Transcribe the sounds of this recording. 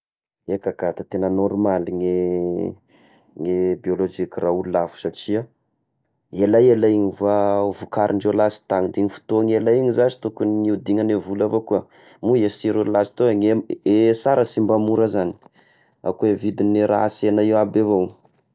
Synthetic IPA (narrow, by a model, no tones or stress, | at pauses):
ekakat̪at̪enənoɾmaliŋe | ŋebiolod͡ʒikiraululafu̥saʈ͡ʂia | elajelaiɲivuavukaɾʔiɳɖ͡ʐewlasi̥t̪aŋd̪iɲifu̥t̪oŋelaiɲizazi̥t̪ukuniud̪iŋanevulavokuə | muesiɾululasi̥t̪oŋeesaɾəsimbamuɾəzani̥ | a̰kuevid̪ineɾa̰senaewabevow